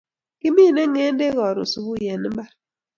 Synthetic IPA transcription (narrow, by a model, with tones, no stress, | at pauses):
ki˦mi˦˨ne˦ŋe˦n˦de˦ɣɔ˨ɾṵ˨su˨bu˦˨jɛ˨ni˦m˦ba˦ɾ